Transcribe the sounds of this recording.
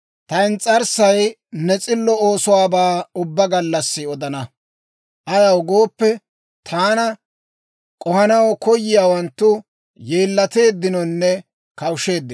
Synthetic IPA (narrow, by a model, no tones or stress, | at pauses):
t̪ɐɪnt͡sʼɐɾsɐj | nɛt͡sʼɪlːɔoːsʊwaːbaːʊbːɐɡɐlːɐsːɪɔd̪ɐnɐ | ʔɐjɐwɡo̞ːpːɛ | t̪ʰaːnɐ | kʼɔhɐnɐwkɔjːɪjaːwɐnt̪ːʊ | jeːlːɐt̪e̞ːd̪ːɪnɔnːɛ | kɐwʃe̞ːd̪ːɪ